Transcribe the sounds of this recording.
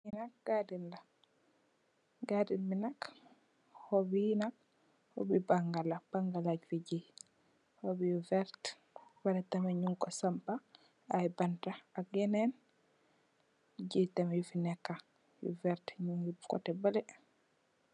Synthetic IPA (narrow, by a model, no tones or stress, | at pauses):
inak̚ɡ̥adinla | ɡadinminak | hɔbinak̚ | hɔ̰bibaŋɡalabaŋɡalaɟfiɟi | hɔbijuvɛɾt | balɛtamaɲuŋkɔsampa | ajbantaaɡɛnɛn | ɟitamajufinɛkːa | jṵvɛɾtɲuŋjubkɔ̰tɛbalɛ